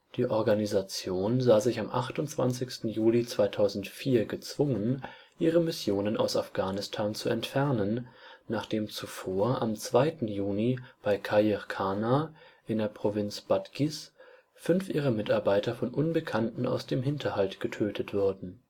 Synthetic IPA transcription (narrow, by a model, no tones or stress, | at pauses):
d̥iːʔɔɐɡanizat͡sjoːnzaːzɪçamʔa̰χtʊntt͡sv̥a̰nt͡sɪçstn̩juːlit͡sv̥aɪtʰaʊzn̩tfiːɐɡət͡sv̥ʊŋən | ʔiːʁəmɪsjoːnəna̰ʊsafɡ̥aːnɪstʰaːnt͡suɛntfɛɐnənnaːχd̥eːmt͡sufoːɐʔamt͡sv̥aɪtn̩juːnib̥aɪkʰajiʁkʰaːnaʔɪndeːɐpʁ̥ovɪnt͡sb̥atɡ̥is | fʏnfʔiːʁ̞əmɪtaɐbaɪtɐfɔnʔʊnbəkʰantn̩a̰ʊsd̥eːmɦɪntʰɐhaltɡ̥ətʰøːtʰətv̥ʊɐdn̩